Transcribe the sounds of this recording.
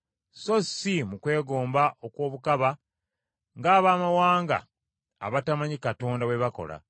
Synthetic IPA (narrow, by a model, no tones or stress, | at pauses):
so̞simukwe̞ːɡo̞ːmbaʔokwo̞ːβukaβa | ŋɡaːβaːmawaːŋɡa̰ː | βatamaɲikato̞ːndaweβako̞̰la̰